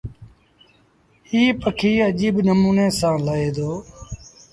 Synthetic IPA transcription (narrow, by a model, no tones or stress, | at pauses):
iːpəkʰiːəʄiːbnəmuːneːsãːləeːd̪oː